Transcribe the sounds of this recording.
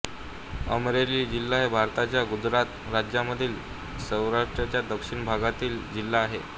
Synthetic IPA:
əmɾeliːd͡ʑilːaɦebʱaɾt̪at͡ɕjaɡud͡ʑɾat̪ | ɾad͡ʑjaməd̪ʱiːl | səwɾaʂʈɾat͡ɕjad̪əkʂiɳbʱaɡat̪iːld͡ʑilːaːɦe

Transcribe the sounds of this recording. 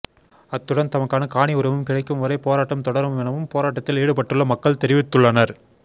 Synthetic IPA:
ɐt̪ːɯɽɐnt̪ɐmɐkːaːnɐkaːɳɪʊɾɐʋɯmkɪɽɐɪkːɯmʋɐɾɐɪpoːɾaːʈːɐmt̪ɔɽɐɾɐɛnɐʋɯmpoːɾaːʈːɐt̪ːɪleːɽɯpɐʈːɯɭːɐmɐkːɐɭt̪ɛɾɪʋɪt̪ːɯɭːɐnɐɾ

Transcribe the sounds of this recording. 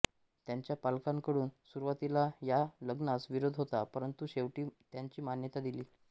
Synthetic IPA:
t̪jaɲt͡ɕjapalkãŋkəɽuːnsuɾuʋat̪ilajaləɡnasʋiɾod̪ʱɦot̪apəɾənt̪uɕeʋʈiːt̪jaɲt͡ɕiːmanjət̪ad̪iliː

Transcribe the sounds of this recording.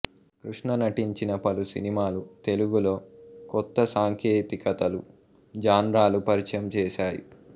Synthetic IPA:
kɾuʂɳɐnɐʈiɲt͡ʃinɐpɐlusḭnimaːlut̪e̞luɡulo̞ːkɔt̪ːɐsaːŋkʰjeːt̪ikɐt̪ɐlu | d͡ʒaːnɾaːlupɐɾit͡ʃɐjɐmt͡ʃɛːʃaːjḭ

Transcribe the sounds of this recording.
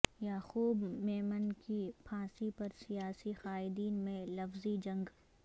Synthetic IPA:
jaxuːbmeːmənkipʰãːsipɐɾsijaːsixaːɪd̪iːnmẽlɐfzid͡ʒɐ̃ŋɡ

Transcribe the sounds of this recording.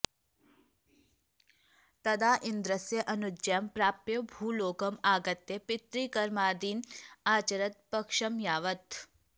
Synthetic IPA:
t̪ɐd̪aːʔind̪ɾɐsjɐʔɐnud͡ʒampɾaːpjɐbʱuːloːkɐmaːɡɐt̪jepɪt̪ɾiːkɐɾmaːd̪iːnaːt͡ʃɐɾɐt̪̚pɐkʂɐmjaːʋɐt̪

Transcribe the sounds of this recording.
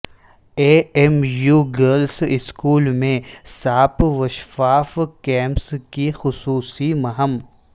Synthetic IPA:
eːemjuːɡəɾlsɪskuːlmẽsaːpʋɐʃfaːfkɛ̃ːmpskixʊsuːsimɐɦəm

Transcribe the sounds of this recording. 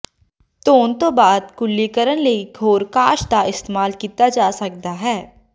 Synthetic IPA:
t̪oːnt̪obaːd̪̚kʊlːikəɾənleiɡʰʱoːɾkaːʃd̪aʔɪst̪eːmaːlkiːt̪ad͡ʒaːsɐk̚d̪aɦɛː

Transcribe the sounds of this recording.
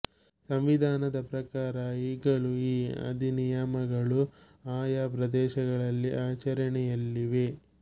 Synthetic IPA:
sɐmʋid̪ʱaːnɐd̪ɐpɾɐkaːɾɐiːɡɐɭuiːɐ̰d̪ʱinijɐmɐɡɐɭu | aːjapɾɐd̪ɛːʃɐɡɐɭɐlːiʔaːt͡ʃɐɾɐɳɛjɐlːiʋe̞

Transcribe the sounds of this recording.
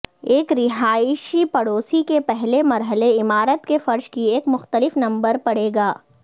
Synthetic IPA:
eːkɾɪɦaːʃipɐɽoːsikepɛɦlemɐɾɦəleɪmaːɾət̪kefɐɾʃkieːkmʊxt̪əlɪfnɐ̃mbəɾpɐɽeːɡaː

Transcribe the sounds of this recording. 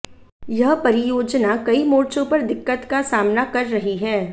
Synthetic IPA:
jɐɦpɐɾɪjoːd͡ʒnakɐimoːɾt͡ʃõpɐɾd̪ɪkːət̪kasaːmnakɐɾːɐɦiɦɛː

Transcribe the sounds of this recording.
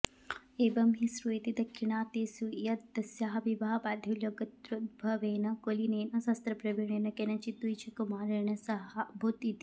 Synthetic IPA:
eːbɐmɦisɾut̪id̪ɐkʂiɳaːt̪eːsujɐt̪d̪ɐsjaːɦɐʋibaɦɐpaːd̪ʱjɐljoɡɐt̪ɾut̪̚bʱɐʋeːnɐkolineːnɐsɐst̪ɾɐpɾɐʋiɳeːnɐkenɐt͡ʃit̪ːujt͡ʃʰɐkumaːɾeːɳɐsɐɦɐbʱut̪it̪i

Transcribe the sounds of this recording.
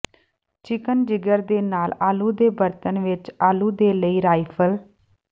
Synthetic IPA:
t͡ʃɪkənd͡ʒɪɡəɾd̪eːnaːlaːluːd̪eːbəɾt̪ənʋɪt͡ʃaːluːd̪eːləiːɾaːipʰəl

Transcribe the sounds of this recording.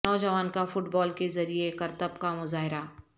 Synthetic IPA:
ɔːd͡ʒɐʋaːnkafʊʈbɔːlkezɐɾiekɐɾt̪əbkamʊzaːɦɪɾa

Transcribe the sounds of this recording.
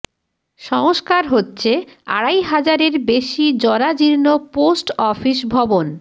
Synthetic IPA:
ʃɔŋoʃkaɾɦotːɕʰea̰ɽajɦad͡ʑaɾeɾbeʃid͡ʑɔɾad͡ʑiɾnoposʈɔfiʃbʱɔbon

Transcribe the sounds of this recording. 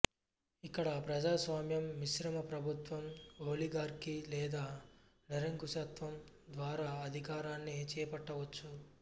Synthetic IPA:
ikːɐɽɐpɾɐd͡ʒaːsʋaːmjɐmːiʃɾɐmɐpɾɐbʱut̪ʋɐmoːliɡaːɾkilɛːd̪aː | nɐɾɐŋkuʃɐt̪ʋɐmd̪ʋaːɾaːɐd̪ʱikaːɾaːnːit͡ʃɛːpɐʈːɐʋɐt͡ʃːu

